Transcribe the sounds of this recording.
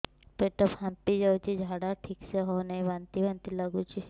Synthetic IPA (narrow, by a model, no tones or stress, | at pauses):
peʈəphãmpid͡ʒaut͡ʃid͡ʒʱaɽaʈʰikseɦonɐĩʋãnt̪iʋãnt̪iləɡut͡ʃʰi